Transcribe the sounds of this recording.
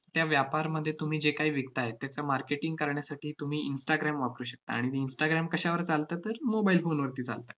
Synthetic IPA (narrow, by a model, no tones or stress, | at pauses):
t̪jaʋjapaɾməd̪ʱːjet̪um̤iːd͡ʑekaɦiːʋikt̪aet̪jat͡samaɾkeʈiŋɡkəɾɳjasaʈiːt̪um̤iːinsʈaɡɾamʋapəɾuːɕək̚t̪a̰ːɽ̃it̪iinsʈaɡɾamkəɕaʋəɾt͡salt̪at̪əɾmobailfonʋəɾt̪iːt͡sa̰lt̪ḁ